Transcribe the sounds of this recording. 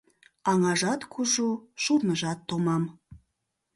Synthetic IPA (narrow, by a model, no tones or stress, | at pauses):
ɑŋɑʒɑt̪kʰuʒuʃurnəʒɑt̪ːomɑm